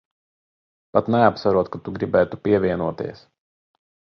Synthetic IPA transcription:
pat̪nɛapsaɾuɔt̪̚kat̪uɡɾibʲɛːt̪upʲiɛvʲiɛnuɔt̪ʲḭɛs

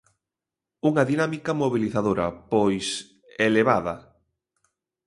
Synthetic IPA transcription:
uŋɐðinamikɐmoβiliθaðoɾɐ̰pojs | eleβ̞aðɐ

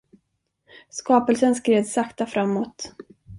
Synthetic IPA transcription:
skɑːpəlsənskɾeːd̪sakt̪afɾamːɔt̪

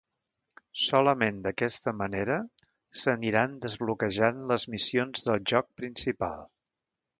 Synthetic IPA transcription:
sɔləmend̪əkɛst̪əməneɾə | səniɾand̪əzβlukəʒanləzmisionzðəlˠʒɔk̚pɾinsipa̰lˠ

